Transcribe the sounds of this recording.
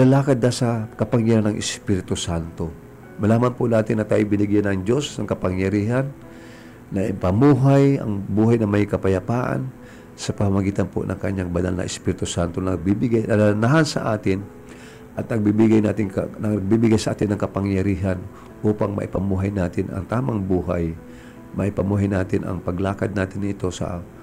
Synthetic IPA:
lɐlaːkɐd̪̚nasɐkɐpaŋjaɾanɐŋʔɪspiɾɪt̪ʊsant̪o | mɐlaːmɐnpʊnaːt̪ɪnːɐt̪aːjʊbɪnɪɡjanɐŋd͡ʒo̞snɐŋkɐpaŋjɐɾiːɦanː | ɐʔɪpɐmuːɦajɐ̰ŋbuːɦajnɐmajkɐpɐjɐpaːʔa̰n | sɐpamamɐɡiːt̪ɐnpo̰nʔɐ̰ŋkɐɲaŋbɐna̰lnɐ̰ʔɛspiːɾɪt̪ʊsant̪onɐɡ̚bibɪɡajnɐnanaɦansɐʔaːt̪ɪn | ʔɐt̪nɐɡ̚bibɪɡajnaːt̪ɪŋkɡ̚bibɪɡajsɐʔaːt̪ɪnːɐŋkɐpaŋjɐɾiːɦan | ʔuːpaŋmɐ̰ʔɪpɐmuːɦajnaːt̪ɪnɐ̰ŋt̪aːmɐŋbuːɦa̰j | mɐ̰ʔɪpɐmuːɦajnaːt̪ɪnʔɐ̰ŋpɐɡlaːkad̪̚naːt̪ɪnɪt̪o̞sɐ̰

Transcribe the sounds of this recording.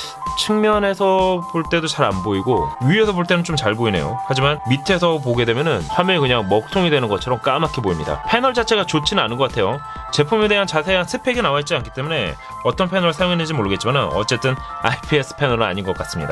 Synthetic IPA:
t͡ɕʰɯŋmjʌne̞sʰʌpoɭt͈e̞dot͡ɕaɾa̰nboiɡojue̞sʰʌboɭt͈e̞nɯnt͡ɕomt͡ɕaɭboine̞̰jo̰had͡ʑimanmitʰe̞sʰʌpoɡe̞dwe̞mjʌnɯnɸwamjʌekɯɲaŋmʌk̚tʰoŋidwe̞nɯnɡʌt͡ɕʰʌɾʌmk͈amakʰiboimɲida̰pʰe̞nʌɭd͡ʑat͡ɕʰe̞ɡat͡ɕot͡ɕʰinɯnanɯnɡʌk͈atʰe̞jo | t͡ɕe̞pʰume̞de̞ɦant͡ɕasʰe̞ansʰepʰe̞ɡinawaɦet̚t͡ɕ͈iankʰi̥t͈e̞mune̞̰ | ʌt͈ʌnpʰe̞nʌɾɯɭsʰajoŋɦenɯnd͡ʑimoɾɯɡet͡ɕ͈imanɯnʌ̰t͡ɕ͈e̞t͈ɯn | a̰ipʰiesʰɯ̥pʰe̞nʌɾɯa̰ɲinɡʌk͈as͈ɯmɲḭda̰

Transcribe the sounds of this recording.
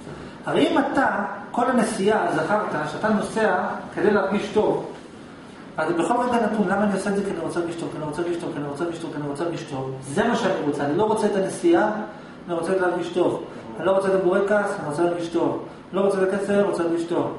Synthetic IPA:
haʁejimat̪ako̞lanesiazaχaʁt̪aʃeat̪ano̞se̞ake̞d̪e̞jleaʁɡiʃto̞v | azbexχo̞lmetɡanatunlamaːniosezekianiʁo̞t͡selɡiʃto̞vkianiʁot͡seɡiʃt̪o̞vkianiʁot͡sealɡiʃto̞vkianiʁot͡seaʁɡiʃto̞vze̞maʃeaniʁot͡seanilo̞ʁot͡seet̪anesiaː | niʁot͡seleaʁɡiʃto̞v | anilo̞ʁot͡seeboʁekasniʁot͡selaʁɡiʃto̞v | nlo̞ʁot͡set̪akefeʁot͡selaʁɡiʃto̞v

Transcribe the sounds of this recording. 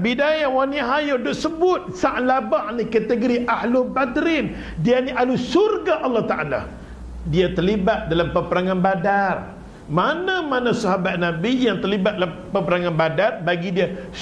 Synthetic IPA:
bidajawaniɦajodʊʔsəbʊt̪̚saʔlabaʔnikat̪əɡoɾiʔahlʊbad̪ɾɪn | dianiʔalusurɡaʔalːɔt̪aʔa̰la̰ | diat̪ərlibat̪̚dalampəpəɾaŋanbadar | manãmanãsaɦabat̪̚nabijaŋt̪ərlibat̪̚dalapəpəɾaŋanbadarbaɡidia

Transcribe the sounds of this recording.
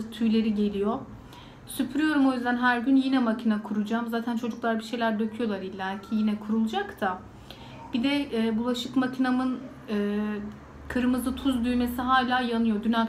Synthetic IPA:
t̪ʰyjlʲe̞ɾiɟe̞lʲijo̞ | sypʰɾyjo̞ɾumo̞jyzd̪ænɦæɾɟynjinɛmacʰinakʰuɾud͡ʒamzaːt̪ʰænt͡ʃʰo̞d͡ʒuklˠaɾbiʃe̞jlʲæɾd̪ø̞cʰyjo̞lˠaɾilʲːælʲcʰijinɛkʰuɾulˠd͡ʒakt̪ʰa | b̥id̪ɛːbulˠaʃɯkmacʰinamɯn | ɯː | kʰɯɾɯmɯzɯt̪ʰuzd̪yjme̞siɦaːlʲaːjanɯjo̞d̪yna

